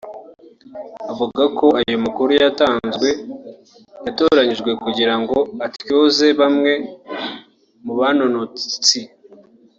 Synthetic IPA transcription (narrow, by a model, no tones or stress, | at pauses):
avuɡakʰo̞ajomakuɾujataːnzɡwe̞ | jato̞ɾaɲiʒɡwe̞kuɟiɾaŋɡo̞atjo̞ːze̞βamŋe̞ | muβanonot͡sit͡si